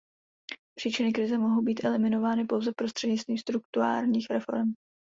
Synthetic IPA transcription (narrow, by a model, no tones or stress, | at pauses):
pr̥iːt͡ʃɪnɪkɾɪzɛmo̞ɦowbiːt̪ʔɛlɪmɪno̞vaːnɪpo̞wzɛpɾo̞st̪r̥ɛdɲɪt͡st̪viːmst̪ɾuk̚t̪uɾa̰ːɾɲiːxɾɛfo̞̰ɾɛm